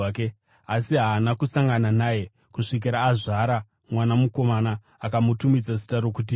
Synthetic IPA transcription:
ke | asiɦaːnakusaŋɡananaːje̞ | kuʂik̬iɾaːʐaɾa | mwanamuko̞manaː | kamutumid͡zas̬i̥taɾo̞k̬ut̬i

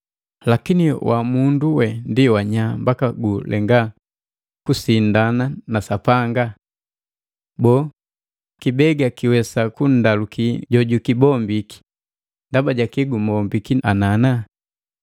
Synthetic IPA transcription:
lakiniwʔamunduwɛndiwaɲambakaɡulʔɛ̰ŋɡa | kusindananasapaŋɡa | bɔː | kibɛɡakiwɛsakun̩dalukiɟɔɟukibɔmbiki̥ | ndabaɟakiɡumɔmbikianana

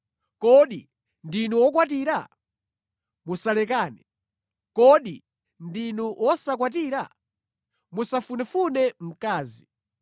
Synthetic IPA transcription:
kɔɗi | ndinuwɔk̬wat̬iːɾa̰ | musalɛkaːnɛ | kɔɗi | ndinuwɔsak̬wat̬iɾa̰ | musafunɛfunɛm̩kaːzi

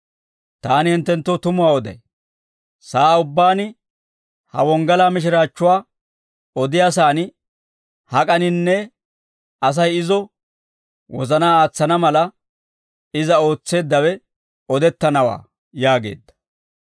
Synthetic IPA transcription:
t̪aːnɪhɪnt̪ːɛnt̪ːɔt̪ʊmʊwaːɔd̪ɐ̰j | saːʊbːaːnɪ | hɐ̰wɔŋɡɐlaːmɪʃ̬ɪɾaːt͡ʃːʊwaː | ɔd̪ɪjaːs̬aːnɪ | hɐkʼɐnɪnːɛ | ɐs̬ɐjɪzɔ | wʔɔzɐnaːaːt͡sːɐnɐmɐlɐ | ɪzɐo̞ːt͡sːe̞ːd̪ːɐwɛ | ɔd̪ɛt̪ːɐnɐwa̰ː | jaːɡe̞̰ːd̪ːɐ̥

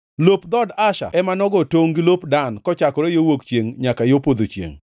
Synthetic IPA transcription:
lopd̪ɔdaʃa̰ɛmanɔɡɔtoŋɡilopdankɔt͡ʃakɔɾejowokt͡ʃjeŋɲakajopod̪ot͡ʃjḛŋ

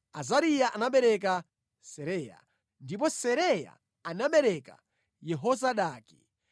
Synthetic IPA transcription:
azaɾijaʔanaɓɛɾɛk̬a | sɛɾɛːja̰ | ndip̬ɔsɛɾɛja̰ | anaɓɛɾɛka̰ | jɛɦɔzaɗaːki̥

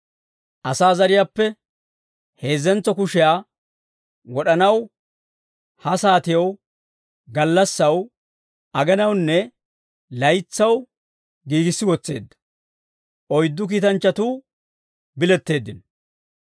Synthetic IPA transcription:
ʔɐsaːzɐɾɪjaːpːɛ | heːzːɛnt͡sːɔkʊʃɪjaː | wɔɗɐnɐw | hɐsaːt̪ɪjɐw | ɡɐlːɐsːɐw | ɐɡɛnɐwnːɛ | lɐjt͡sːɐw | ɡiːɡɪsːɪwɔt͡sːe̞̰ːd̪ːɐ̥ | ʔɔjd̪ːʊk̬iːt̪ɐnt͡ʃːɐt̪uː | bɪlɛt̪ːe̞ːd̪ːɪn

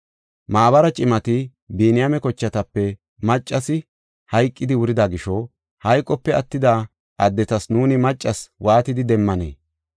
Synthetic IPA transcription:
maːbɐɾɐt͡ʃʼɪmɐt̪ɪ | bieːnɪjɐmɛkɔt͡ʃːɐt̪ɐpːɛ | mɐt͡ʃʼːɐsɪ | hɐjkʼːɪd̪ɪwʊɾɪd̪ɐɡɪʃɔ | hɐjkʼːɔpːɛɐt̪ːɪd̪aː | ʔɐd̪ːɛt̪ɐsnuːnɪmɐt͡ʃʼːɐswaːt̪ɪd̪ɪd̪ɛmːɐnḛː

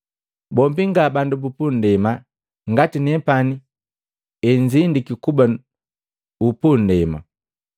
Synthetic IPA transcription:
bɔmbiŋɡabandubupundɛma | ŋɡatinɛpani | ɛɲd͡ʒindikikuba | upundɛma̰

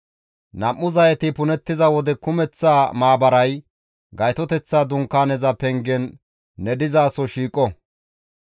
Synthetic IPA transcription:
nɐmːʊzɐjɛt̪ɪpʊnɛt̪ːɪzɐwɔd̪ɛkʊmɛt͡sːaːmaːbɐɾɐj | ɡɐjt̪ɔt̪ɛt͡sːaːd̪ʊŋkːaːnɛzɐpɛŋɡɛnː | ɛd̪ɪzaːsɔʃiːkʼːɔ

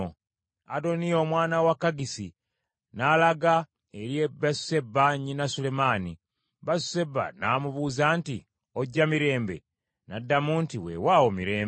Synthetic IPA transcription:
a̰do̞nijo̞mwaːnawakːaɡisi | nalaɡa | eɾjebasu̥se̞bːaɲinasule̞maːni | basu̥se̞bːa̰naːmuβuzaːnti | oɟːamiɾe̞ːmbḛ | nadːamuntiwḛwawomiɾe̞ːm

